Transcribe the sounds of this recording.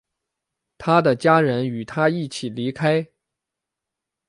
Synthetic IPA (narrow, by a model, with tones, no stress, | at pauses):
t̪ʰa˥d̪ə˨t͡ɕja˥ɻə˧˥ny˨˩t̪ʰa˥i˥˩t͡ɕʰi˨˩li˧˥kʰa˥ɪ